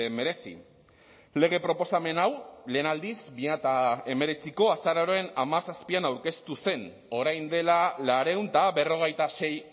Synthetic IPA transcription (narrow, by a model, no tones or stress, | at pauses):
eme̞ɾe̞sḭ | le̞ɣ̞e̞pɾo̞po̞same̞nawle̞ːnald̪isbiat̪ae̞me̞ɾe̞t͡siko̞asaɾaɾoe̞namasaspianawɾke̞st̪use̞n | o̞ɾajnd̪e̞lalaɾe̞unt̪abe̞ro̞ɣ̞e̞jt̪ase̞j